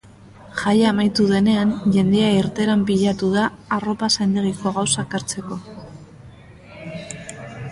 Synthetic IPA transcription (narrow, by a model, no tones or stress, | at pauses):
ʝajaːmajt̪uðe̞ne̞anʝe̞nd̪e̞aiɾt̪e̞ɾampiʎat̪uðaːro̞pasajnd̪eɣiko̞ɣ̞awsakaɾt͡se̞ko̞